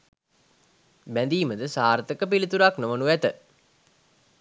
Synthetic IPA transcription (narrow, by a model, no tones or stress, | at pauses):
bænd̪iːməd̪əsaːɾət̪əkəpilit̪uɾaknoʋənuʋæt̪ə